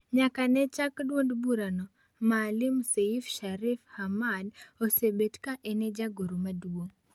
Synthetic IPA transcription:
ɲakanɛt͡ʃakdwodbuɾano | malimseifʃaɾifhamadosebetkaʔɛnɛd͡ʒaɡoɾumaduwo

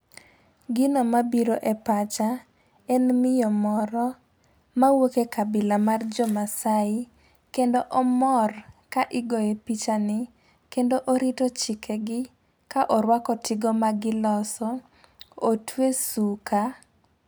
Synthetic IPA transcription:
ɡɪnomabiɾoʔɛpat͡ʃa | ɛnmɪjɔmɔɾɔ | mawokekabɪlamard͡ʒɔmasaɪ | kendoʔɔmɔrkaʔɪɡɔjepit͡ʃanɪ | kendoʔoɾitɔt͡ʃɪkʰɛɡɪ | kaʔɔɾwakɔtʰɪɡɔmaɡɪlɔsɔ | otwesuka

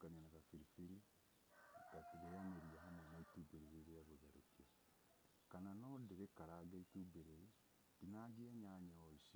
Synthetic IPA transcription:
kaɲanaɣafiɾifiɾi | kaɾejameɾiaɦamɔnaitubeɾeɾeɾeaβoðaɾokiɔ | kananɔdeɾekaɾaɡaitubeɾei | dinaɡiɛɲaɲɛɔisi

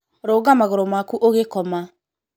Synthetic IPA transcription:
ɾɔːɡamaɣoɾɔmakuʔoɣekɔma

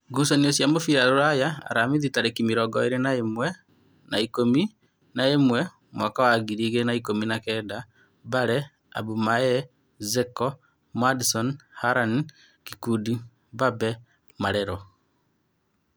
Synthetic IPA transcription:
ɡusɔniosjamofiɾaɾoɾajaa̰ɾamiðitaɾekimiɾɔɡɔeɾenaemwɛ | naikomi | naemwɛ | mwakawaɡiɾiɣenaikominakɛda | baɾɛ | a̰bumaɛ | zɛkɔ | mwadisɔnhaɾan | kikudi | babɛ | maɾɛɾɔ

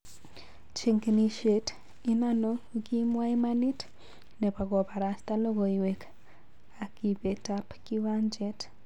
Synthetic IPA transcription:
t͡ʃiŋkniʃet | inanokimwaimanit | nepaɣopaɾast̪aloɣoiwek | akiβetapkiwand͡ʒet

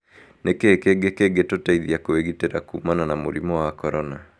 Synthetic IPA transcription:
nekekeɡekeɡetotaiðiakoeɣiteɾakumananamoɾimɔwakɔɾɔna

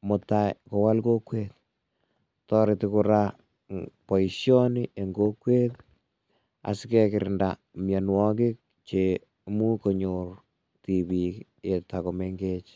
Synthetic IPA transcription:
motakowalkokwet̪̚ | tɔɾɪtɪkuɾa | poisjɔnieŋɡokwet̚ | a̰skɛkɪɾɪnda̰ | mjanwɔkɪk̚ | t͡ʃe | mukoɲor | tibik | etakomeŋɡet͡ʃ

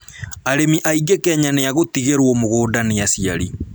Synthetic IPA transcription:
aɾemiʔaiɡekɛɲaneaɣotiɣeɾwɔmoɣoːdanejasiaɾi

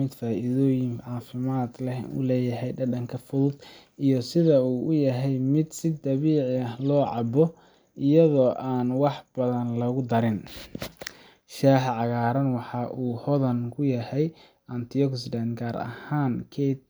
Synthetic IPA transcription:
ɪd̪faːʔiðɔːjɪŋʕɑːfɪmaːd̪lɛṵlɛːjɐɦɛjɖɐɖɐŋkʰɐfʊðʊd̪ijɔsɪðɐuːʔʊjɐɦɛjmɪd̪sɪd̪ɐβiːʕɪɐhlɔːʕɑ̰bɔ | ʔɪjɐðɔːʔaːnwɑħb̥ɐðɐnlɐɣʊd̪ɐɾɪn | ʃaːħʕɑɣaːɾɐnwɑħɑʔuːhɔðɐnkʰʊjɐhɛj | ʔɐnt̪ʰiɔksdɐnɡaːɾɐ̰haːnkʰɛt̪

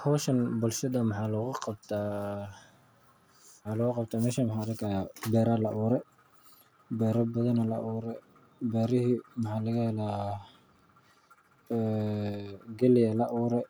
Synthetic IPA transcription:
hɔːʃɐnbʊlʃɐd̪ɐmɑħɑːlɔːɣʊqɑb̚t̪ʰaː | mħɑːlɔːɣʊqɑbt̪ʰaːmɛːʃɐmɐħaːɾɪkʰajaːbɛːɾaːlɐʔuːɾɛ | bɛːɾɐbɐðɐnɐlɐʔuːɾɛ | bɛːɾɪɦimɑħaːlɐɣɐhɛlaː | ɡɛlɪjɐlɐʔuːɾɛ

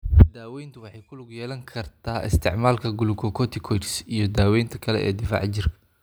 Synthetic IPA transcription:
d̪aːwɛjnt̪ʰɐwɑħɑjkʰʊlʊɡʊjɛːlɐŋkʰɐrt̪ʰaːɪ̰st̪ʰɪ̰ʕmaːlkʰɐɡʊlʊkʰɔkʰɔt̪ʰɪkʰɔt͡ʃɪ̥sijɞd̪aːwɛjnt̪ʰɐ̥kʰɐlɛ̰ʔɛ̰ːd̪ɪfa̰ːʕt͡ʃɪrkʰɐ

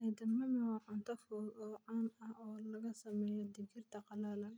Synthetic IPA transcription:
ʔid̪ɐmːɐmɔʕʊnt̪ʰɐfɔːɡɔʕɑnɐhɔːlɐɣɐsɐmɛːjɔd̪ɪɡɪrt̪ʰɐqɑlalɐ

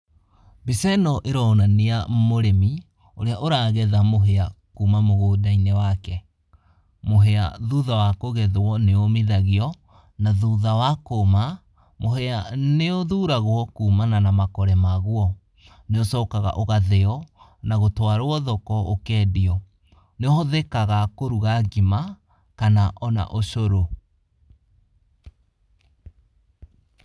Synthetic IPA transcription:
bisɛnɔʔeɾɔnaneamoɾemi | oɾeaʔoɾaːɣɛðamoɦeakuːmamoɣoːdainɛwakɛ | moɦɛa̰ðuðawakoɣɛðwɔneomeðaɣeɔ | naðuðawakoma | moɦɛaneoðuːɾaɣoɔkuːmananamakɔɾɛmaɣuɔ | neosɔːkaɣa̰ʔoɣaðɛɔ | naɣotwaɾoɔðɔkɔokɛːdiɔ | neɔhɔðɛkaɣakoɾuɣaɡima | kanaʔɔna̰ʔoɕoɾo

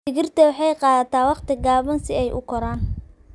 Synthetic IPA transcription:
ɪɣɪrt̪ʰɐwħɑjqɑːðɐt̪ʰaːwɑqt̪ʰɪɡaːβɐnsɪɛjʔʊ̰kʰɔɾaːn

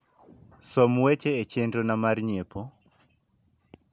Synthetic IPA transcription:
somwet͡ʃeːt͡ʃendonamarɲepʰo

